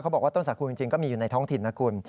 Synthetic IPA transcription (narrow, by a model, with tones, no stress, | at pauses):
kʰa˦˥bɔː˨˩k̚wa˥˩t̪o˥˩nsa˨˦˥kʰuː˧t͡ɕi˧ŋt͡ɕi˧ŋkɔː˥˩miː˧juː˨˩na˧jt̪ʰɔː˦˥ŋt̪ʰi˨˩nːa˦˥kʰuː˧n